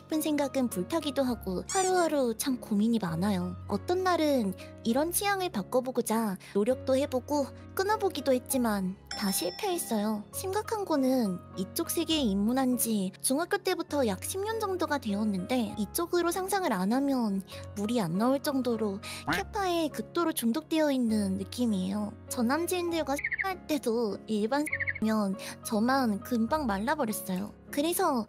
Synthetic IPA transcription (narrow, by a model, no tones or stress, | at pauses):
ipʰɯnsʰe̞ŋɡaɡɯnpuɭtʰaɡidoɦaɡosʰaɾɯɦaɾot͡ɕʰamkumiɲimanajoʌ̰t͈ʌnːaɾɯn | iɾʌnɕʰijaŋɯɭpak͈ʌboɡot͡ɕanoɾjʌk̚t͈ohe̞boɡ̥o | k͈ɯnʌboɡidohe̞t̚t͡ɕ͈imantaɕʰiɭpʰeɦes͈ʌjoɕʰimɡakʰanɡonɯnit͡ɕ͈ok̚s͈e̞ɡeimːunɦand͡ʑit͡ɕuŋak͈jot͈e̞butʰʌjak̚ɕʰimɲʌnd͡ʑʌŋdoɡadwe̞ʌnːɯnde̞it͡ɕ͈oɡɯɾosʰaŋsʰaŋɯɾanamjʌnmuɾianːauɭt͡ɕ͈ʌŋdoɾokʰepʰae̞kɯk̚t͈oɾot͡ɕuŋdok̚t͈e̞ʌinːɯnːɯk͈imie̞jot͡ɕʌnamd͡ʑiindɯɭɡwaɕʰiaɭt͈e̞doiɭbansʰimjʌnt͡ɕʌmankɯmbaŋmaɭːabʌɾjʌs͈ʌjo̰ | kɯɾe̞sʰʌ